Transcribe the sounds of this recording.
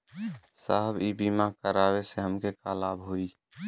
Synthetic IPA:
sa̰ɦəbibimakəɾaːweseɦəmkekaːlaːbɦoːiː

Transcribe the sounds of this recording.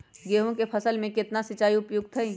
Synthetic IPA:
ɡeːɦõkepʰɐsəlmẽkɪt̪nasɪt͡ʃaːiʊpjʊɡ̚t̪ʰɐĩ

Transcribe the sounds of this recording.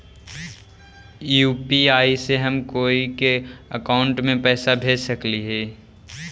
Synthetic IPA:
juːpiaːiseɦɐmkoːikeəkaːʊ̃ɳʈmẽpɛːsabʱeːsəkliɦɛː

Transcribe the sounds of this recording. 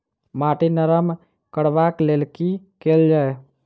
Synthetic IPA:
maːʈinəɾəm | kəɽʋaːkleːlki | keːld͡ʒaːe

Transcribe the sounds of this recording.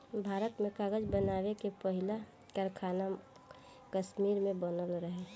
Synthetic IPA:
bʱaːɾət̪mẽkaːɡəd͡ʒbənaːwekepəɦɪla | kəɾkʰaːna | kəʃmiːɾmẽbənəlɾəɦɛ

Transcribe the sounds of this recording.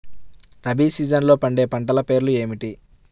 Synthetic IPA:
ɾɐbiːsiːd͡ʒɐnlo̞ːpɐɳɖe̞ːpɐɳʈɐlɐpe̞ːɾlue̞ːmiʈi

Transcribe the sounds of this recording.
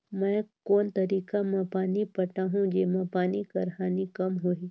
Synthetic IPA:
mɛ̃ːkoːnt̪ɐɾiːkamãpaːnipɐʈaɦũd͡ʒeːmẽpaːnikɐɾɦaːnikɐmɦoiː

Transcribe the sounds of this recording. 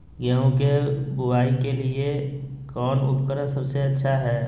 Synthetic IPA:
jɐɦũkebʊʋaːikeliekɔːnʊ̰pkəɾə̃nsɐbseɐtːʃʰaɦɛː

